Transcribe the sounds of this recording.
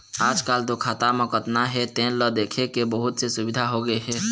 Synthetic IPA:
aːd͡ʒkaːlt̪okʰaːt̪amə̃kət̪naɦɛt̪ẽːnləd̪eːkʰekebəɦʊt̪sesʊbɪd̪ʱaɦoɡəeɦɛ

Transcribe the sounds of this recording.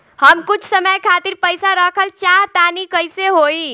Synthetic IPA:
həmkut͡ʃʰsəməjkʰat̪iɾpəjsaɾəkʰəlt͡ʃaɾt̪anikəjseɦoi

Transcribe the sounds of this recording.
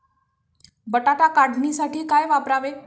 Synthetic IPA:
bəʈaʈakaɽnisaʈiːkajʋapɾaʋe

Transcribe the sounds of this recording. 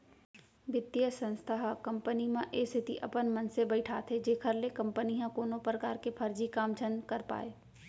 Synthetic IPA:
ʋɪt̪ijəsə̃nst̪ʰəɦkɐ̃mpənimãʔeːsɪt̪ḭʔɐpənmɐ̃nsebəɪʈʰaːt̪ʰed͡ʒeːkʰəɾlekɐ̃mpəniɦãkoːnopɾəkaːɾkepʰɐɾd͡ʒikaːmt͡ʃʰə̃nkəɾpa̰ːeː

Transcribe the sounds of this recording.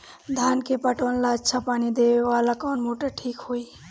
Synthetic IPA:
d̪ʱaːnkepəʈoːnlaətːʃʰapaːnid̪eʋeʋaːlakɔːnmoːʈəʈʰiːkɦoːi

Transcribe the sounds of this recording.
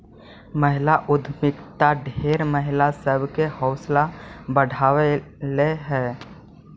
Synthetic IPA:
məɦɪlaʔʊd̪ʱmɪkt̪aɖʱeːɾməɦɪlasəbʱkehɔʊslabəɽʱaːʋeleɦɛː

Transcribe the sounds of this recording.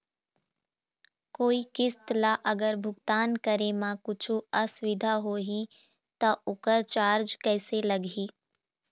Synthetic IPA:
koːikɪst̪laʔɐɡəɾbʱʊɡt̪aːnkəɾemãkʊt͡ʃʰuɐsʋɪd̪ʱaɦoːɦi | t̪aʔʊkəɾt͡ʃaːɾd͡ʒkɛːselɐɡiː

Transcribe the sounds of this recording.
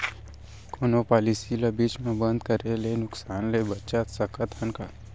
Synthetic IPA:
koːnopaːlisilabiːt͡ʃmẽbə̃nd̪̚kəɾelenʊksaːnlebətːʃat̪səkət̪ənka

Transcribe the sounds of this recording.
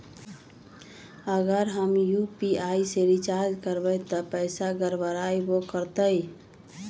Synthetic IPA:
əɡəɾɦəmjupiaiseɾit͡ʃaɾd͡ʒkəɾbət̪ɔpəɪsaɡəɾbəɾaibokəɾt̪əi

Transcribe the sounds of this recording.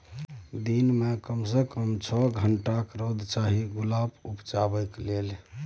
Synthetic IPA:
d̪inmekəmsəkəmt͡ʃʰɔɡʱəɳʈakɾod̪t͡ʃaɦiɡulabupt͡ʃabəklel

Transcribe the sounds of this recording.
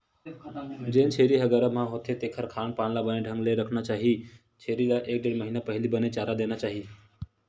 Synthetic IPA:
d͡ʒẽːnt͡ʃʰeːɾiɦəɡaɾamãɦoːt̪ʰet̪eːkʰəɾkʰaːnpaːnlabəneɖʱə̃ŋɡleɾəkʰnat͡ʃaːɦi | t͡ʃʰeːɾilaʔeːk̚ɖeːɽməɦinapəɦlibənet͡ʃaːɾad̪eːnat͡ʃaːɦi

